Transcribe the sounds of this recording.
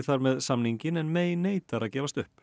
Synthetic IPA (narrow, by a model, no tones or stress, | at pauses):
θaɾmɛðsamniɲcɪnɛnmeːjneːjt̪aɾaðcɛːvast̪ʏhp